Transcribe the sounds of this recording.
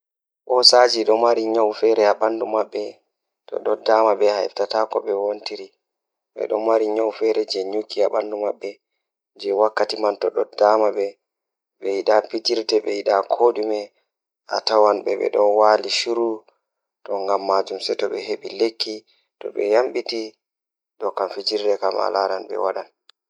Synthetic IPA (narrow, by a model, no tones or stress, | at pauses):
ɓɔsad͡ʒiɗɔmaɾiɲawfɛɾɛaɓandumaɓːɛ | tɔ̰ɗɔdamaɓɛhaɛ̰ftatakɔɓɛwontiɾi | ɓɛ̰ɗɔnmaɾiɲɔwfɛɾɛd͡ʒɛɲukʰːiaɓandumaɓːɛ | d͡ʒɛwakːatimantɔɗɔdamaɓɛ | ɓɛjiɗapid͡ʒiɾtɛɓɛjiɗakʰoɗumɛ | ʔatawanɓɛ̰ɓɛ̰ɗɔnwaːliʃuɾu | tɔŋɡamːad͡ʒumsɛtɔɓɛɦeɓilekʰːi | tɔ̰ɓɛjamɓiti | ɗɔkamfid͡ʒiɾdɛkama̰laɾanbɛ̰waɗan